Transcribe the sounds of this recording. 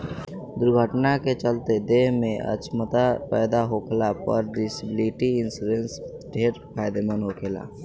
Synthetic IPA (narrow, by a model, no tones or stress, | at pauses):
d̪ʊɾɡʱəʈnaket͡ʃəlt̪ed̪eɦmẽʔə̰t͡ʃmət̪apɛːd̪aɦokʰlapə̰ɾɖisibɪliʈiɪnsiɾens | ɖʱeːɾpʰaːjd̪emenɦokʰeːla̰